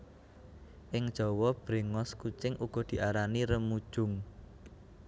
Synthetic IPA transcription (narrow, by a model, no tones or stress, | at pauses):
ʔɪŋd̥ʒ̥ɔ̤wɔb̥ɾe̤ŋɔskut͡ʃɪŋuɡ̥ɔ̤d̪̥i̤ʔaɾaniɾəmud̥ʒ̥ʊ̤ŋ